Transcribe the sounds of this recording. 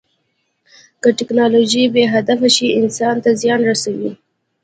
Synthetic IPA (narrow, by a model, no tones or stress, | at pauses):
kəʈɪknɑloʒibeɦad̪afaʃiɪnsɑnt̪azjɑnɾasawi